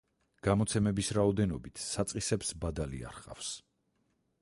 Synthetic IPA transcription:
ɡ̥amɔt̪sʰɛmɛbisɾaɔd̪ɛnɔbit̪ʰsat̪sʼisɛpsbad̪alḭa̰ɾχʼa̰fs

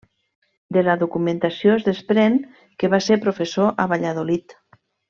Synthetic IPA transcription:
d̪elaðukumẽnt̪asjoezðespɾen | keβasepɾofesoʔaβaʎaðolit̪

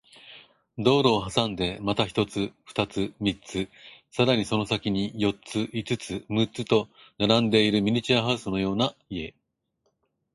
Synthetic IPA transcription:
d̪o̞ːɾo̞ːɦasãnd̪e̞mat̪açi̥t̪o̞t͡sɨɸɯ̥t̪at͡sɨmʲit͡sɨsaɾaɲ̟iso̞no̞sakʲiɲ̟ijo̞tt͡sɨʔit͡sɨt͡sɨmɯ̟t͡sɨt̪o̞ | naɾãnd̪e̞iɾɯ̟mʲiɲ̟it͡ɕiaɦaɯ̟sɨno̞jo̞ːnaie̞̰

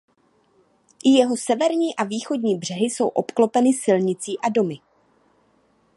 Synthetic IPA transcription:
ʔɪjɛɦo̞sɛvɛɾɲiːʔaviːxo̞dɲiːbr̝̥ɛɦɪso̞wʔo̞pklo̞pɛnɪsɪlɲɪt͡siːʔado̞mɪ

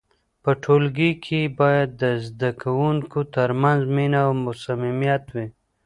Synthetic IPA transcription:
pəʈʰolɡikʰibajad̪ːəzd̪akʰawuŋkut̪əɾmanzminawmʊsamimijat̪wi

